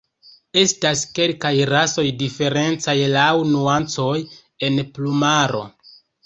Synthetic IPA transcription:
e̞staske̞lkajɾaso̞jdife̞ɾe̞nt͡sajlawnuant͡so̞j | e̞nplumaɾo̞̰

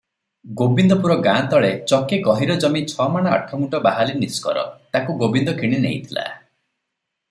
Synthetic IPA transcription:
ɡobind̪ɔpuɾɔɡãnt̪ɔɭet͡ʃɔkekɔɦiɾɔd͡ʒɔmit͡ʃʰɔmaɽ̃aa̰ʈʰɔmuʈɔbaɦaliniskɔ̰ɾɔ̰t̪akuɡobind̪ɔkʰiɽ̃inḛɦḭt̪ʰila̰

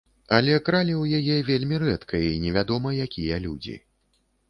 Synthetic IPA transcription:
ɐlʲɛkɾalʲɛwjajɛvʲelʲmʲirɛt̪kʰɐinʲɛvʲad̪ɔmɐjakʲijɐlʲud͡zʲḭ

